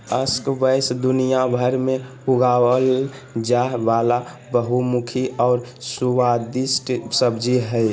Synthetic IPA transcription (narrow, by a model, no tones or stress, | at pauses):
əskbəjsd̪unijabʱəɾme | uɡawəld͡ʒaɦʋala | bəɦumukʰiɔːɾsuwad̪ɪsʈsəbd͡ʒiɦɛɪ